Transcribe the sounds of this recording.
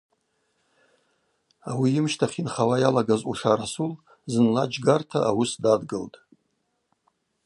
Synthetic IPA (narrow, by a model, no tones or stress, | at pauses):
awiɪmʃtʰaχʲinχawajalaɡazuʂaɾasul | zɨnlad͡ʒɡartʰaawusdadɡɨltʼ